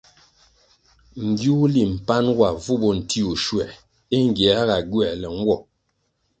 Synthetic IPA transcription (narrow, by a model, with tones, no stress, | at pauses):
m̩˨ɡju˦li˨m̩˨pa˦nwa˨vu˦bɔ˨n̩˨ti˦u˨ʃwɛ˨ | e˦ŋ˨ɡjɛ˨a˦ɣa˨ɡɥɛ˨lɛ˨ŋ̩˦ɡwɔ˨